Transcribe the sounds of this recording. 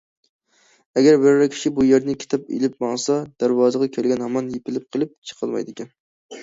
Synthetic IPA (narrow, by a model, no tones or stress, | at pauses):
ɛɡʲæɾbɪɾɾɛkʲʰi̥ʃibujeɾnɪkʲʰe̥t̪ʰɑpḛlɪp̚mɑŋsɑd̪̥æɾwɑːzəʁɑkʲʰælɡʲɛnhɑmɑnjepɪlɪp̚qʰəlˠɪp̚t͡ʃʰə̥qʰəlˠmɑ̰jd̪ɪkʲɛn